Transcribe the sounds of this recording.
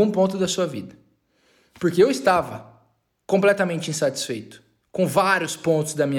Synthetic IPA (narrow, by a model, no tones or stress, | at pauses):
ũpõnt̪̬ʊd̪ɐsuɐvid̪ɐ | poɾkeewɪst̪avɐ | kõplɛt̪ɐmẽnt͡ʃɪĩsat͡ʃi̥sfejt̪ʊ̥ | kõvaɾjʊspõnt̪ʊzd̪ɐmĩɲ